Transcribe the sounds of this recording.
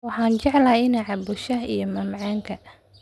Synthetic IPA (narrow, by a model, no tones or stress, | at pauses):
wɑħɑːnt͡ʃɛʕlaɪnɐʕɑbʊʃɐijɞmɐmʕɑːŋkʰɐ